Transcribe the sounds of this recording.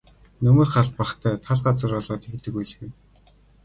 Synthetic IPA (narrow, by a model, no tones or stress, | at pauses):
nɵmɵ̆ːrχaɮt̪̚paχt̪ʰæːt̪ʰaɮɢat͡sə̆rɔɮɔːt̪ext̪ɘ̆kujɮ̆xɘ̆n